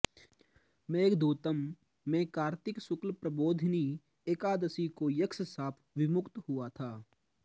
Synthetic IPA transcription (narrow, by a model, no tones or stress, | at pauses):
mẽːkd̪uːt̪əmː | ẽːkaːɾt̪ɪksʊklpɾəboːd̪ʱniː | eːkaːd̪əsikojəkssaːpʰʋɪmʊkt̪hʊat̪ʰaː